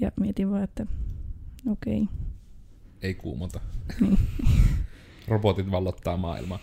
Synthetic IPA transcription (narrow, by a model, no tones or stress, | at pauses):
jɑ̰miet̪iʋʋɑːet̪ːæ | okei | eikṵːmot̪ɑniː | robot̪it̪ʋɑlːot̪ːɑːmɑ̰ːˑḭlmɑː